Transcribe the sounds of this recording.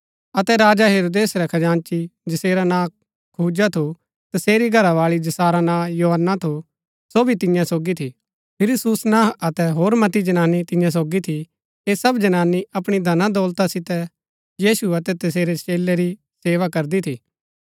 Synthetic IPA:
ɐt̪ɛɾaːd͡ʒaɦeːɾoːd̪eːsɾɛkʰɐd͡ʒãːnt͡ʃid͡ʒɐseːɾanãː | kʰuːd͡ʒat̪ʰo | t̪ɐseːɾiɡʱɐɾaʋaːɭid͡ʒɐsaːɾanãːjoːɦənːat̪ʰo | soːbʱit̪ɪjãsoːɡit̪ʰi | pʰɪɾsʊsnãːɦɐt̪ɛɦoːɾmɐt̪id͡ʒɐnaːnːit̪ɪ̃jãs̬oːɡit̪ʰi | eːsɐbd͡ʒɐnaːniʔɐpɽ̃id̪ʱɐnãd̪oːlt̪asɪt̪ɛ | jiːsuɐt̪ɛt̪ɐseːɾet͡ʃeːleɾi | seːʋakɐɾd̪it̪ʰiː

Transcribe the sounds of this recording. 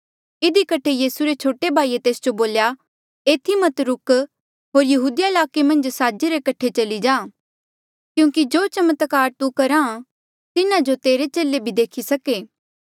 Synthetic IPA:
ɪd̪ikɐʈʰejiːsuɾet͡ʃʰoːʈebʱaːiːet̪eːsd͡ʒoboːlja | eːt̪ʰimɐt̪ɾʊk | ɦoːɾjɐɦuːd̪ɪjaɪlaːkemɐ̃nd͡ʒsaːd͡ʒeɾekɐʈʰet͡ʃɐlid͡ʒãː | kjũːkid͡ʒoːt͡ʃɐmət̪kaːɾt̪ukɐɾã | t̪ɪnad͡ʒot̪eːɾet͡ʃeːlebʱid̪eːkʰisɐkeː

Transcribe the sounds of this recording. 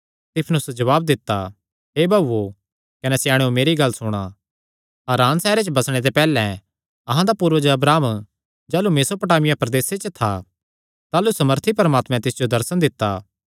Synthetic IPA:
st̪ɪpʰnʊsd͡ʒɐʋaːb̚d̪ɪt̪ːa | ɦeːbʱɐbo | kɐnɛsɪjaːɽ̃eomeːɾiɡɐlːsʊɽ̃a | ɐɾaːnsɛːɾet͡ʃəbɐsɽ̃ed̪̬epɛːlɛ̃ | ɐɦãd̪apuːɾʋəd͡ʒəɐbɾaːm | d͡ʒaːlumeːsopɐʈaːmɪjapɾɐd̪eːset͡ʃət̪ʰa̰ | t̪aːlusɐməɾt̪ʰipɐɾəmaːt̪mɛ̃t̪ɪsd͡ʒod̪ɐɾsənd̪ɪt̪ːaː

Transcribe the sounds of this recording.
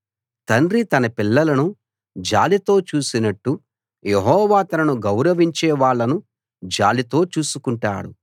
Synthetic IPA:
t̪ɐɳrit̪ɐnɐpilːɐlɐnu | d͡ʒa̰ːlit̪o̞ːt͡ʃuːsinɐʈːu | jeɦɔːʋaːt̪ɐnɐnuɡɐwɾɐʋiɲt͡ʃɛːʋaːɭːɐnu | d͡ʒa̰ːlit̪o̞ːt͡ʃuːsukuɳʈa̰ːɽṵ

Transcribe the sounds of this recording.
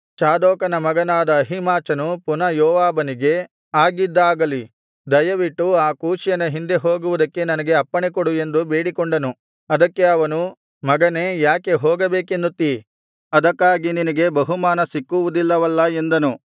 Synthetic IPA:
t͡ʃaːd̪ɔːkɐnɐmɐɡɐnaːd̪ɐːɦimaːt͡ʃɐnupunɐjɔːʋaːbɐniɡe̞ | aːɡid̪ːaːɡɐli | d̪ɐjɐʋiʈːuaːkuːʃjɐnɐɦind̪e̞ɦoːɡuʋud̪ɐkːe̞nɐnɐɡe̞ɐpːɐɳekoɽue̞nd̪ube̞ːɽikɔɳɖɐnu | ɐd̪ɐkːe̞ɐʋɐnu | mɐɡɐne̞ːjaːke̞ɦɔːɡɐbeːkend̪ut̪ːi | ɐd̪ɐkːaːɡininɐɡe̞bɐɦumaːnɐsikːuʋud̪ilːɐʋɐlːɐe̞nd̪ɐnu

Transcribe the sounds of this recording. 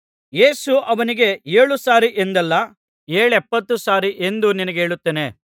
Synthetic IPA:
je̞ːsuʔɐʋɐniɡe̞e̞ːɭusaːɾiʔend̪ɐlːɐ | e̞ːɭɛpːɐt̪ːusaːɾiʔe̞nd̪uninɐɡe̞ːɭut̪ːeːne̞

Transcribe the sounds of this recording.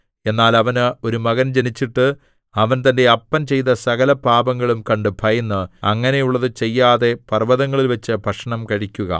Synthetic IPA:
e̞nːaːlɐʋɐnɨo̞ɾumɐɣɐnd͡ʑe̞nit͡ɕːiʈːɨ | ɐʋɐnt̪ɐnde̞ɐpːɐnt͡ɕe̞jt̪ɐsɐɣɐlɐbʱaːbɐŋːɐɭumkɐɳɖɨbʱɐjɐnːɨɐŋːɐne̞juɭːɐðɨt͡ɕe̞jːaːðe̞pɐrʋɐðɐŋːɐɭilʋɐt͡ɕːɨbʱɐkʂɐɳɐmkɐɻikʲːuɣɐ̰

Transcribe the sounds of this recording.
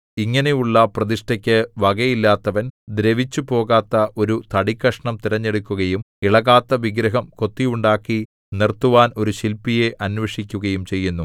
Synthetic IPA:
iŋːɐne̞juɭːɐprɐðiʂʈɐkʲːɨʋɐɣɐjilːaːt̪ːɐʋɐnd̪ɾeʋit͡ɕːupo̞ːɣaːt̪ːɐʔo̞ɾut̪ɐɽikːɐʂɐɳɐmt̪iɾɐɲːeɽukʲːuɣɐjum | iɭɐɣaːt̪ːɐʋiɡɾɐɦɐmko̞t̪ːijuɳɖaːkːi | nirt̪ːuʋaːno̞ɾuɕilpije̞ʔʔɐnʋɐʂikʲːuɣɐjumt͡ɕe̞jːunːu

